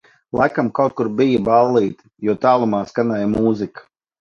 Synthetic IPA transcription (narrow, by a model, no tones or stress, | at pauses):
lˠajkamkawt̪̚kuɾbijəbalˠːiːt̪ | juɔt̪aːlˠumaːskanajmuːzikḁ